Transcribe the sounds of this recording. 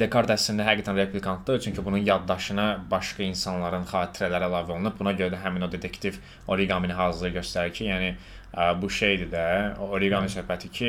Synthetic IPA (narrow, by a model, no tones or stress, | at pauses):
d̪e̞kʰoɾt̪æsind̪æɦæɡiːt̪ʰænɾepʰlʲikʰɑnt̪d̪ɯt͡ʃʰyɲcʰybununjɑd̪ːɑʃɯnɑbɑʃkɑinsɑnlˠɑɾɯnχɑːt̪ʰiɾælæɾilˠɑːvolˠunɯb̚bunɑɟøɾæd̪æɦæmino̞d̪e̞t̪ʰekt̪ʰiv | o̞ɾiɡɑminiɦɑːzɯɾɯɟø̞st̪æɾicʰijæːni | buʃejd̪id̪æooɾiɡɑnisøɾpæt̪ʰicʰi